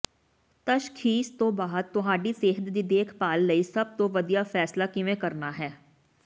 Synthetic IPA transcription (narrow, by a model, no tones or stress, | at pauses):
t̪əʃkʰiːst̪õːbaːəd̪t̪ʊɦãːɖiːseːɦət̪d̪iːd̪eːkʰpaːlːəisəb̚t̪õːʋəd̪ijaːfʰɛːslaːkɪʋẽːkəɾnaːɦɛː